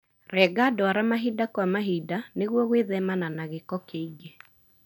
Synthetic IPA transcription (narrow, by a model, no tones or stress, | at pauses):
ɾɛɡadɔaɾamaɦidakwamaɦidaneɣwɔɣweðɛmananaɣekɔkeiɡe